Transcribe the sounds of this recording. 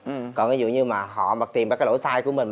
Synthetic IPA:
kɔ˨˩nkːzṵ˧˨ɲɨ˧maː˨˩ɦɔ̰˧˨ma˨˩t̪i˨˩mvaː˨˩kaː˦jlo̰˧˦jsaː˧jku˧˦əmï˨˩ŋ̟

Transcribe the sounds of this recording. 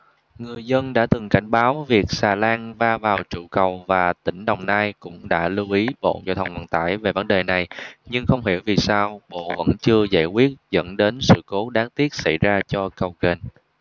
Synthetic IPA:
ŋɨ˨˩əjzə˧nɗa̰ː˧˥t̪ɨ˨˩ŋka˧˩jŋ̟ɓaː˨˦wvi˨˩ək̚saː˨˩laː˧nvaː˧vaː˨˩wt͡ɕṵ˧˩kə˨˩wvaː˨˩t̪ï˧˩ŋ̟ɗə˨˩wŋ͡mnaː˧jkʊ̰˧˥ŋ͡mɗa̰ː˧˥lɨ˧wʔi˨˦ɓo̰˧˨za̰ː˧˩t̪ʰə˨˩wŋ͡mhwaː˨˩nt̪a̰ː˧˩jve˨˩və˨˦nɗe˨˩na˨˩jɲɨ˧ŋxə˧wŋ͡mɦḭ˧˩əwvi˨˩saː˧wɓo̰˧˨və̰˧˥nt͡ɕɨ˧əza̰ː˧˩jkwi˦˥ət̚zə̰˧˥nɗe˨˦nsɨ̰˧˨ko˨˦ɗaː˨˦˥ŋt̪i˦˥ət̚sa˧˩jzaː˧t͡ɕɔ˧kə˨˩wɣe˨˩n

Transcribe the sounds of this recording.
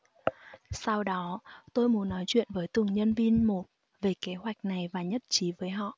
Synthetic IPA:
sa˧wɗɔ˨˦t̪o˧jmu˨˦ənːɔ˨˦jt͡ɕwḭ˧˨ənvəː˨˦jt̪ɨ˨˩ŋɲə˧nvi˧nmo˨˩t̚ | ve˨˩ke˨˦ɦwa˨˩jk̟̚na˨˩jvaː˨˩ɲə˦˥t̚t͡ɕi˨˦vəː˨˦jɦɔ̰˧˨ʔ

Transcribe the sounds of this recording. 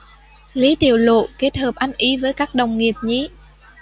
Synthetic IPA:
li˨˦t̪i˨˧˩əwlo̰˧˨ke˦˥t̚həː˨˩p̚ʔa˨˦jŋ̟ʔi˨˦vəː˨˦jkaː˦˥k̚ɗə˨˩wŋ͡mŋi˨˩əp̚ɲḭ˧˥

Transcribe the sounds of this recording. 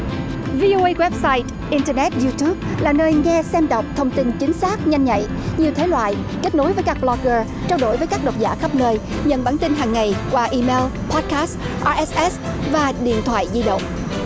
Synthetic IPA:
vi˧ʔo˧ʔə˧jɣwɛ˦˥p̚saː˧jt | ʔi˧ntəː˧nɛ˦˥t̚zu˧t̪u˦˥p̚laː˨˩nəː˧jŋɛ˧sɛ˧mɗə˨˩wk͡p̚t̪ʰə˧wŋ͡mt̪i˧nt͡ɕï˨˦ŋ̟saː˦˥k̚ɲa˧jŋɲa̰˧˨j | ɲi˨˩əwt̪ʰe˨˦lwa̰ː˧˨jke˦˥t̚no˨˦jvəː˨˦jkaː˦˥k̚ɓlɔ˧ɣəː˧˩ | t͡ɕaː˧wɗo˧˩jvə˨˦jkaː˦˥k̚ɗə˨˩wt̚zaː˧˩xə˦˥p̚nəː˧j | ɲə̰˧˨nɓaː˧˩nt̪i˧nɦaː˨˩ŋːa˨˩jkwaː˧ʔi˧me˧lpʰɔ˦˥t̚kaː˦˥st | ʔaː˧ʔɛ˦˥sʔɛ˦˥svaː˨˩ɗḭ˧˨ənt̪ʰwa̰ː˧˨jzi˧ɗə̰˧˨wŋ͡m

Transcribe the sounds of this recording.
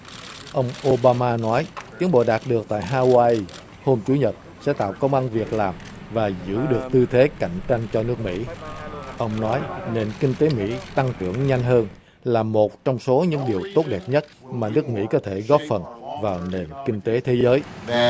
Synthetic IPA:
ʔə˧wŋ͡mʔo˧ɓaː˧maː˧nɔ˨˦jt̪i˨˦əŋɓo̰˧˨ɗaː˨˩t̚ɗɨ˨˩ək̚t̪a̰ː˧˨jɦaː˧waː˧ʔi˧ | ho˧mt͡ɕu˨˦ɲə˨˩t̚ | sɛ̰˧˥t̪a̰ː˧˨wkə˧wŋ͡mʔa˧nvi˨˩ək̚laː˨˩m | vaː˨˩zɨ̰˧˥ɗɨ˨˩ək̚t̪ɨ˧t̪ʰe˨˦ka̰˧˩jŋ̟t͡ɕa˧jŋ̟t͡ɕɔ˧nɨ˦˥ək̚mḭ˧˥ʔə˧wŋ͡mnɔ˨˦jne˨˩nkï˧ŋ̟t̪e˨˦mḭ˧˥t̪a˧ŋt͡ɕɨ̰˧˩əŋɲa˧jŋ̟ɦəː˧n | laː˨˩mo˨˩t̚t͡ɕɔ˧wŋ͡mso˨˦ɲɨ̰˧˥ŋɗi˨˩əwt̪o˦˥t̚ɗɛ˨˩p̚ɲə˦˥t̚maː˨˩nɨ˦˥ək̚mḭ˧˥kɔ˨˦t̪ʰe˧˩ɣɔ˦˥p̚fə˨˩nvaː˨˩wne˨˩nkï˧ŋ̟t̪e˨˦t̪ʰe˨˦zəː˨˦j

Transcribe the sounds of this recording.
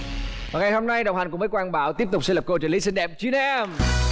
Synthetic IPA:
vaː˨˩ŋa˨˩jɦo˧mna˧jɗə˨˩wŋ͡mha˨˩jŋkməː˨˦jkwaː˧nɓaː˧˩wt̪i˦˥əp̚t̪k͡p̚sɛ˧lə˨˩ko˧t͡ɕu˧˩˨li˨˦sï˧ŋ̟ɗɛ˨˩p̚t͡ɕi˧˦˥nɛ˧m

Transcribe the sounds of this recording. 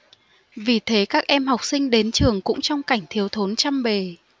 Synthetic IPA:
vi˨˩t̪ʰe˨˦kaː˦˥k̚ʔɛ˧mɦa˨˩wk͡p̚sï˧ŋ̟ɗe˨˦nt͡ɕɨ˨˩əŋkʊ̰˧˥ŋ͡mt͡ɕɔ˧wŋ͡mka˧˩jŋ̟t̪ʰi˨˦əwt̪ʰo˨˦nt͡ɕa˧mɓe˨˩

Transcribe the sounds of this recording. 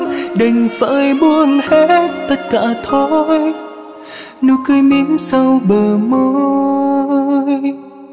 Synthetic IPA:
ɗə˨˩ŋ̟və̰ː˧˥jɓu˧əmhɛ˧t̚t̪ə˦˥t̚kaː˧˩t̪ʰo˧j | nu˧kɨ˧jmi˧˦msə˧wɓəː˨˩mo˧˦ | j

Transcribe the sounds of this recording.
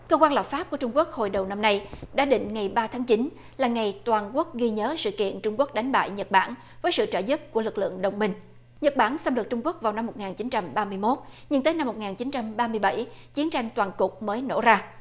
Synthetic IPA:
kəː˧kwaː˧lə˨˩p̚faː˦˥p̚ku˧˩ət͡ɕʊ˧ŋ͡mku˦˥ək̚ho̰˧˨˩jɗə˨˩wna˧mna˧jɗa̰ː˧˥ɗḭ̈˧˨ŋ̟ŋa˨˩jɓaː˧t̪ʰaː˨˦ŋt͡ɕi˨˦n | laː˨˩ŋa˨˩jt̪waː˨˩nku˦˥ək̚ɣi˧ɲəː˨˦sɨ̰˧˨kḭ˧˨ənt͡ɕʊ˧ŋ͡mku˦˥ək̚ɗa˨˦jŋɓa̰ː˧˨jɲə˨˩t̚ɓaː˧˩n | vəː˨˦jsɨ̰˧˨t͡ɕəː˧˩zɨ˦˥p̚ku˧˩əlɨ˨˩k̚lɨ̰˧˨əŋɗə˨˩wŋ͡mmï˧ŋ̟ | ɲə˨˩t̚ɓaː˧˩nsa˧mlɨ˨˩k̚t͡ɕʊ˧ŋ͡mku˦˥ək̚vaː˨˩wna˧mːo˨˩t̚ŋaː˨˩nt͡ɕi˨˦nt͡ɕa˧mɓaː˧mɨ˧əjmo˦˥t̚ɲɨ˧ŋt̪əː˨˦jna˧mːo˨˩t̚ŋaː˨˩nt͡ɕi˨˦nt͡ɕa˧mɓaː˧mɨ˧əjɓa˧˩jt͡ɕi˨˦ənt͡ɕa˧jŋ̟t̪waː˨˩nkʊ˨˩k͡p̚məː˨˦jno̰˧˥zaː˧

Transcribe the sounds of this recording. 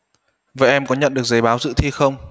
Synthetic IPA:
vəː˧˩jʔɛ˧mkɔ˨˦ɲə̰˧˨nɗɨ˨˩ək̚zə˨˦jɓaː˨˦wzɨ̰˧˥t̪ʰi˧xə˧wŋ͡m

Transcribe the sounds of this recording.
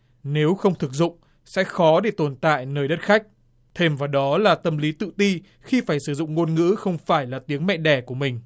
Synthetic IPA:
ne˨˦wxə˧wŋ͡mt̪ʰɨ˨˩k̚zʊ̰˧˨ŋ͡m | sɛ̰˧˥xɔ˨˦ɗe˧˩t̪o˨˩nt̪a̰ː˧˨jnəː˧˩jɗə˦˥t̚xa˦˥jk̟̚ | t̪ʰe˧mvaː˨˩wɗɔ˨˦laː˨˩t̪ə˧mli˨˦t̪ɨ̰˧˨t̪i˧ | xi˧faː˧˩jsɨ˧˩zʊ̰˧˨ŋ͡mŋo˧nŋɨ̰˧˥xə˧wŋ͡mfaː˧˩jlaː˨˩t̪i˨˦əŋmɛ̰˧˨ɗɛ˧˩ku˧˩əmï˨˩ŋ̟

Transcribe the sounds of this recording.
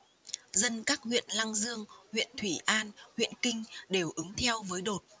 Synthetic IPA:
zə˧nkaː˦˥k̚hwḭ˧˨ənla˧ŋzɨ˧əŋhwḭ˧˨ənt̪ʰwi˧˩ʔaː˧nhwḭ˧˨ənkï˧ŋ̟ɗe˨˩wʔɨ˨˦ŋt̪ʰɛ˧wvəː˨˦jɗo˨˩t̚

